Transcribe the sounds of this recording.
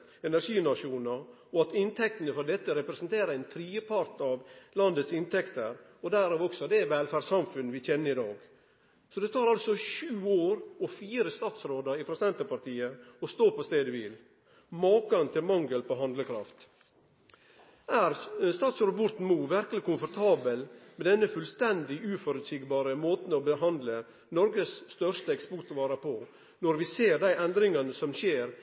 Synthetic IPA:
ɛnæɾʂiːnɑʂuːnəɾ | ɔɑt̪ɪnt̪ʰɛk̚t̪ənəfɾɔd̪ɛt̪ːəɾɛpɾɛsnt̪ʰeːɾəɛɪnt̪ʰɾiːəpʰɑɾt̪ɑʋlɑnd̪ət̪sɪnt̪ʰɛkt̪əɾɔd̪æɾɑʋɔksɔd̪ɛʋɛːlfæɖsɑmfʉnʋɪçɛnːəɾɪd̪ɑːɡ | sɔd̪ɛt̪ʰɑːɾɑlsɔɕʉːoːɾɔfiːɾəst̪ɑːt̪sɾoːd̪əɾɪfɾɑsɛnt̪əɾpɑɾt̪ʰiːəɔst̪oːpɔst̪eːd̪əʋɪl | mɑːkɑnt̪ʰɪlmɑŋɡəlpʰɔɦɑnd̪ləkʰɾɑ̰ft̪ | æːɾst̪ɑːt̪sod̪bʊɾt̪n̩muːʋæɾkəlɪkʊmfɔɾt̪ʰɑːbəlmɛd̪ɛnːəfʉlst̪ɛnd̪ɪʔʉːfɔɾʉd̪sɪɡbɑːɾəmoːt̪n̩ɔbəɦɑnd̪lə | nɔɾɡəsːt̪œɾʂt̪əɛkspʊʈ̪ʋɑːɾəpʰɔ | nɔɾʋɪseːɾd̪æɪʔɛnd̪ɾɪŋɑnəsɔmɕeːɾ

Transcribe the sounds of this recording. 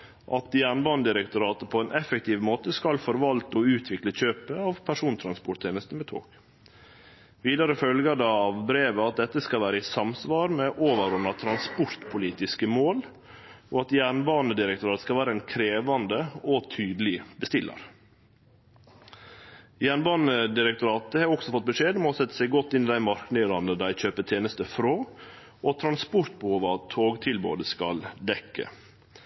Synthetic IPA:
ʔɑt̪jæːɳbɑːnəd̪ɪɾɛkt̪ʊɾɑːt̪əpʰɔɛːnʔɛfɛk̚t̪ʰiːʋmoːt̪əskɑlfɔɾʋɑlt̪ɔʉːt̪ʰʋɪkləçøːpəɑʋpʰæʂuːnt̪ʰɾɑnspʊʈt̪ʰeːnəst̪n̩mɛːt̪ʰo̰ːɡ̥ | ʋiːd̪ɑɾəfœlɡəɖ̪ɑɑʋbɾeːʋəɑt̪̚d̪ɛt̪ːəskɑlʋæːɾəɪsɑmsʋɑːɾmɛʔoːʋəɾʊnːɑt̪ʰɾɑnspɔɾt̪pʰʊliːt̪ɪskəmoːl | oːɑt̪jæːɳbɑːnəd̪ɪɾəkt̪ʊɾɑːt̪skɑʋæːɾəɛnkʰɾeːʋɑnd̪əɔt̪ʰyːd̪lɪbəst̪ɪlːə̰ɾ | jæːɳbɑːnəd̪ɪɾək̚t̪ʊɾɑːt̪̚d̪ɛhɑɾɔksɔfɔt̪̚bəʂeːd̪mɔsɛt̪ːə̥sæɪɡɔt̪ːɪnːɪd̪æɪmɑɾknɪɾɑnəd̪æɪçøːpət̪ʰjeːnəst̪əfɾoː | ɔt̪ʰɾɑnspʊɾt̪̚bəhuːʋəɑt̪ʰːoːɡt̪ʰɪlbo̰ːd̪əskɑld̪ɛkːə̰

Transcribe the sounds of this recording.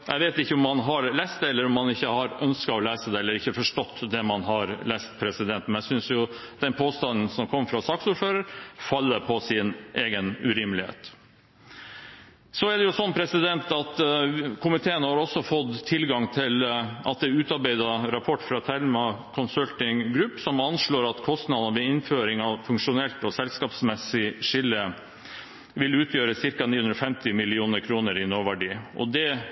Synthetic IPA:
ʔæɪʋeːt̪ɪçːəʊmːɑnɦɑɾlæst̪d̪ɛɛlːəɾɔmːɑnɪçːəhɑɾœnskɑɔleːsəd̪ɛɛlːəɾɪçːəfɔʂʈɔt̪ːd̪ɛmɑnɦɑɾlɛːst̪pʰɾɛsɪd̪ɛnt̪mɛnæsʏnsjʊ | d̪̥ɛnpʰoːst̪ɑnn̩sɔmkʰɔmːfɾɑsɑːksuːɾføːɾəɾfɑlːəɾpʰɔsɪnʔeːɡənʉɾɪmlɪhḛːt̪ | sɔɛɖ̪ɛjʊsɔnːpʰɾɛsɪd̪ɛnt̪ɑt̪kʰʊmɪt̪ʰeːənəhɑɾɔsːɔfɔd̪ʰɪlɡɑŋt̪ʰɪlʔɑ̰t̪̚d̪ɛʉːt̪ɑɾbæɪd̪ɑɾɑpʰɔʈːfɾɑt̪ʰæɾmɑkʰɔnsœlt̪ɪŋɡɾʉpːsɔmɑnʂɭoːɾɑt̪kʰɔst̪nɑd̪ɑnəʋɛɪnføːɾɪŋɑʋfʉŋkʂʊnɛlt̪ɔsɛlskɑːpsmɛsɪʂɪlːə | ʋɪlʉːt̪ʰjøːɾəsɪɾkɑniːʉnɾɔfɛmt̪ɪmɪlɪuːnəɾkʰɾuːnəɾɪnoːʋæɖiːʔɔ̰d̪ɛ

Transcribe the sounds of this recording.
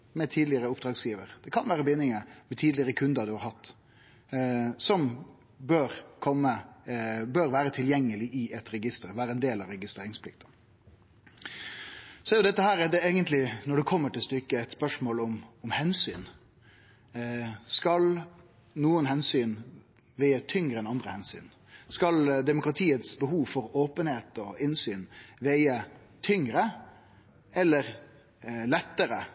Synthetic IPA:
mɛt̪ʰiːd̪lɪəɾəʊp̚d̪ɾɑːɡsjiːʋəɾd̪̥ɛkʰɑnʋæːɾəbɪnːɪŋəmɛt̪ʰiːd̪lɪəɾəkʰʉnd̪əd̪ʉhɑɾhɑt̪ː | sɔm | bøːɾkʰɔmːə | bøːɾʋæːɾət̪ʰɪljɛŋːəlɪʔɪɛt̪ɾɛɡɪst̪əɾʋæːɾəɛnd̪eːlɑɾɛɡɪst̪ɾeːɾɪŋspʰlɪk̚t̪ə̥ | sɔjʊd̪ɛt̪ːəhæːɾɛd̪ɛeːɡənt̪lɪnɔɖɛkʰɔmːəʈɪlst̪ʏkːəɛɪt̪spœʂmoːlʊmʊmhɛnsyːn | skɑl | nuːənhɛnsyːn | ʋæɪət̪ʰʏŋɾəɛnɑnd̪ɾəhɛnsy̰ːn | skɑld̪ɛmʊkʁɑt̪ʰiːət̪sbəhuːʋfɔɾoːpənheːt̪ɔɪnsyːnʋeɪə | t̪ʰʏŋɾə | ɛlːəɾ | lɛt̪ːəɾə

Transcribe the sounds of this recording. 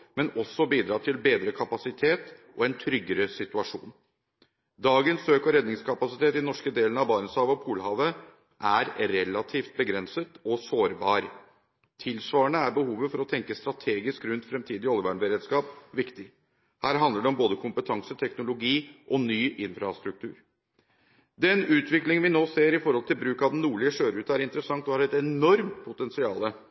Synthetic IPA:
mɛnɔsɔbiːd̪ɾɑːt̪ʰɪlbeːd̪ɾəkʰɑpɑsɪt̪ʰeːt̪ʔɔɛnt̪ʰɾʏɡːəɾəsɪt̪ʉɑʂṵːn | d̪ɑːɡənsøːkɔɾɛd̪nɪŋskʰɑpɑsɪt̪ʰeːt̪ɪnɔʂkəd̪eːlənɑʋbɑːnəshɑːʋəɔpʰuːlhɑːʋə | ʔæɾɾɛlɑt̪ʰiːft̪̚bəɡɾɛnsət̪ɔsoːɾbɑːɾ | t̪ʰɪlsʋɑːəɳəæɾbəhuːʋəfɔɾɔt̪ʰɛŋkəst̪ɾɑt̪ʰeːɡɪskɾʉnt̪fɾɛmt̪ʰiːd̪ɪɔlʋæːɳbəɾeːd̪skɑːpʋɪkt̪ɪ | hæːɾɦɑnd̪ləɖɛɔmboːd̪əkʰʊmpət̪ʰɑŋsət̪ʰɛknʊlʊɡiːʔɔnyːʔɪnfɾɑst̪ɾʉk̚t̪ʰʉ̰ːɾ | d̪ɛnʉːt̪ʰʋɪklɪŋənʋɪnoːseːɾɪfɔɾhɔlt̪ʰɪlbɾʉːkɑd̪ɛnːuːɭɪəʂøːɾʉːt̪æɾɪnt̪əɾəsɑŋt̪ɔhɑɖɾɛt̪ɛnɔɾmt̪pʰʊt̪ɛnsɪɑːlə

